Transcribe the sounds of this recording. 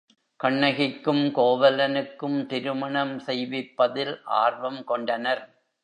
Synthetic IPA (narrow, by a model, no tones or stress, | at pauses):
kɐɳːɐɣɪkːɯmkoːʋɐlɐnɯkːɯmt̪ɪɾɯmɐɳɐmsɛjʋɪpːɐðɪlʔa̰ːrʋɐmkɔɳɖɐnɐɾ